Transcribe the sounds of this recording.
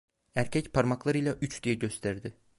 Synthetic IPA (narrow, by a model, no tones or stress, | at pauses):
æɾcʰɛcpʰaɾmaklˠaɾɯjlˠaʔyt͡ʃd̪̥ijɛɟø̞st̪ʰæɾd̪ɪ